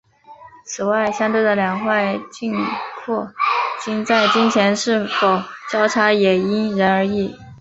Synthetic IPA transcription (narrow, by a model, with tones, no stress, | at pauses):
t͡sʰɹ̩˨˩wa˥˩ɪɕjɑ˥ŋt̪we˥˩ɪd̪ə˩ljɑ˨˩ŋxwa˥˧ɪt͡ɕi˥˧nkʰwɔ˥˩t͡ɕi˥ŋt͡sa˥˩ɪt͡ɕi˥ŋt͡ɕʰjɛ˧˥nʂɻ̩˥˩fo˨˩ʊt͡ɕjɑ˥ʊʈ͡ʂʰa˧˥jɛ˨˩i˥nɻə˧˥nə˞˧˥i˥˩